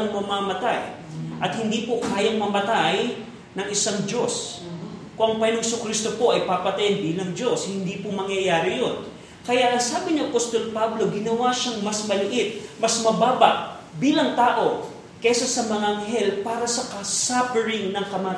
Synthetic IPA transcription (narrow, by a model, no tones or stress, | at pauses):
ɐŋmɐmamɐt̪aj | ʔɐt̪̚hɪnd̪iːpokaːjɐŋmɐmɐt̪aj | nɐŋɪsaŋd͡ʒo̞s | kʊʔɐŋpɐɪnoŋhɪsokɾist̪o̞po̞ʔɐjpapɐt̪ɐjɐnbiːlɐŋd͡ʒo̞shɪnd̪iːpomɐŋjɐjaːɾɪjo̞n | kɐjaʔɐŋsaːbɪniʔɐpost̪o̞lpablo̞ɡɪnɐwaʃaŋmɐsmɐlɪʔɪt̪̚mɐsmɐbaːbɐʔ | biːlɐŋt̪aːʔo̞ | kɛsasɐmɐŋaʔɐŋɦɛlpaːɾɐsɐkɐsapɛɾɪŋnɐŋkɐma